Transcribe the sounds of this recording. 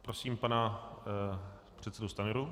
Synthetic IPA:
pɾosiːmpana | pr̥ɛt̪sɛdust̪anɪɾu

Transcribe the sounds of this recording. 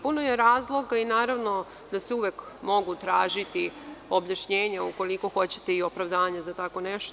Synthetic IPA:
puno̞jeɾaːzlˠo̞ɡainaːɾaʋno̞ | d̪aseuʋek | mo̞ɡut̪ɾaːʒit̪io̞bjaʃɲeːɲauko̞liko̞xo̞t͡ɕet̪eio̞pɾaʋd̪aːɲazat̪ako̞nɛʃt̪o

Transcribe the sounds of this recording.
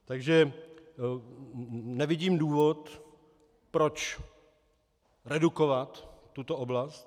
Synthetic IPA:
t̪aɡʒɛ | nɛvɪɟiːmduːvo̞t̪ | pɾo̞t͡ʃ | ɾɛduko̞vat̪ː | ut̪oʔoblast̪

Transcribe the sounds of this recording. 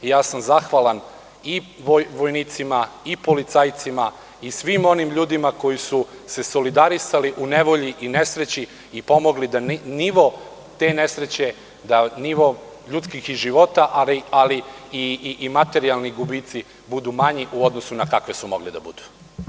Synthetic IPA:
jaːsamzaxʋalˠan | iʋoʋo̞jniːt̪simaipo̞lit̪sajt̪sima | isʋimo̞nimʎuːd̪imako̞jisu | se̞so̞lid̪aɾisaliʔune̞ʋo̞ʎiʔine̞sɾe̞t͡ɕi | ipo̞moɡlid̪anniʋo̞ | t̪e̞ne̞sɾe̞t͡ɕe̞ | d̪aniʋo̞ | ʎut̪skixiʒiʋo̞t̪aʔalialiiːmat̪e̞ɾialˠniɡubit̪si | bud̪umaɲiʔuo̞d̪nosunakakʋe̞sumo̞ɡlid̪a̰bṵd̪̥u̥

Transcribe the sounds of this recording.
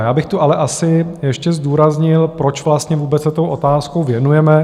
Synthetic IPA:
jaːbɪxt̪uʔalɛʔasɪjɛʃcɛzd̪uːɾazɲɪlpɾo̞t͡ʃvlast̪ɲɛvuːbɛt͡ssɛt̪owʔo̞t̪aːskowvjɛnujɛmɛ

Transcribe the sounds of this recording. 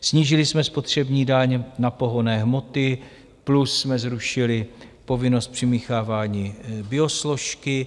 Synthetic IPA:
sɲiːʒɪlɪsmɛspo̞t̪r̝̥ɛbɲiːdaɲnapo̞ɦo̞nɛːɦmo̞t̪ɪ | plusːmɛzɾuʃɪlɪpo̞vɪno̞st̪̚pr̝̥ɪmiːxaːvaːɲiːbɪo̞slo̞ʃkɪ

